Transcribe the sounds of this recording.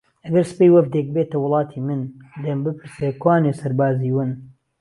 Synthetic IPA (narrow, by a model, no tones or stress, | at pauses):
ɐɡɐɾsɨ̥pejwɐvd̪ek̚beːt̪ɐwʊlˠɑːt̪ʰiːmɨnd̪embɨpʰɨɾsekwaːneːsɐɾbaːziːwɨn